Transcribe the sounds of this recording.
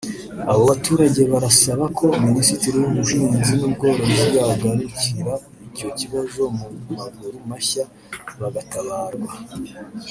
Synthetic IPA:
aβoβatuːɾaɟe̞βaɾasaβakʰo̞minisitiɾiwuβuʒiːɲzinuɡo̞ɾonaɾjaɡaniciɾa | ico̞ciβazo̞mumaɡuɾumaça | βaɡataβaːɾɡwa

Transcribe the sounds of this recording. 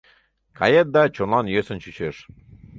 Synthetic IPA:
kɑ̰jet̪̚d̪ɑt͡ɕonlˠɑnjøsə̆nt͡ɕyt͡ɕeʃ

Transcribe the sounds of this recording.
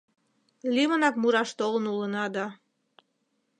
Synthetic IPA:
lʲiβənɑk̚muɾɑʃt̪olənulənɑd̪ɑ

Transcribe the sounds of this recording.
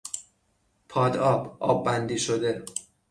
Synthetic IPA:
pʰɒːd̪ɒːbɒ̰ːbːænd̪iːʃod̪e̞

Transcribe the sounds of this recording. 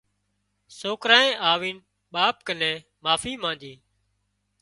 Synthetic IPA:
soːkɾaːẽːʔaːʋiːn | ɓaːp̚kənẽː | maːfiːmãːnd͡ʒ̪iː

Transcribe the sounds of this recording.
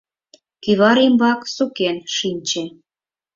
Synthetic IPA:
kiβɑɾimbɑksukenʃinʲt͡ɕĕ

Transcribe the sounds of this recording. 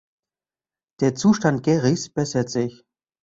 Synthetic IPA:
d̥eːɐt͡suːʃtant̚ɡ̥ɛːʁisb̥ɛsɐtz̥ɪç

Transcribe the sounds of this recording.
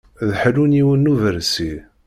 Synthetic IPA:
ðħəluniwənːuvəɾsi

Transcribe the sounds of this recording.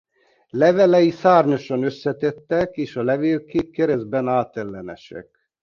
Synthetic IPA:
lɛvɛlɛjisaːrɲoʃɒnøsːɛt̪ɛt̪ːɛkeːʃɒlɛveːlkeːpkɛɾɛzbɛnaːt̪ɛlːɛnɛ̰ʃɛ̰k

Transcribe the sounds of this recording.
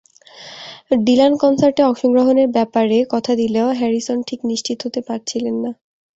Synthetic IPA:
ɖilankɔnsaɾʈeɔkʃɔŋɡɾoɦoneɾbɛpaɾekɔt̪ʰad̪ileoɦɛɾisonʈʰikniʃt͡ɕʰit̪oɦot̪epaɾt͡ɕʰilenːa

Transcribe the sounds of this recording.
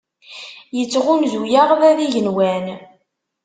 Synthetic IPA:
jət͡sːʁʊnzujaʁðæðiʝənwæn

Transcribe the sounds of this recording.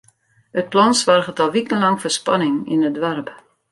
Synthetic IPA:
ət̚plɔnsʋarχətɔlˠʋikənlɑŋfərspanɪŋḭnədʋarp

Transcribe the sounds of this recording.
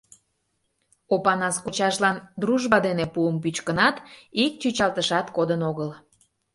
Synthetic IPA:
opɑnɑskot͡ɕɑʃlɑnd̪ruʒβɑd̪enepuəmp̬yt͡ɕkənɑt̪ik̚t͡ɕyt͡ɕɑlt̪əʃɑt̪kod̪ənoɣəl

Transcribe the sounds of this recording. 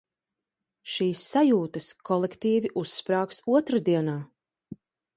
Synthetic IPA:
ʃiːsːajuːt̪ɐskʰɔlˠɛkt̪iːviʔusːpɾaːksuɔt̪ɾad̪iɛnaː

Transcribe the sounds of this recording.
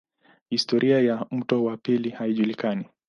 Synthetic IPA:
histɔɾʔiajam̩tɔwapilihaiʄulikani

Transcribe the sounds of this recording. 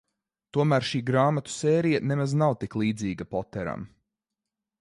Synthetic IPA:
t̪uɔmæːɾʃiːɡɾaːmat̪u̥seːɾijanemaznawt̪iklˠiːd̪ziːɡapɔt̪ɛɾa̰m

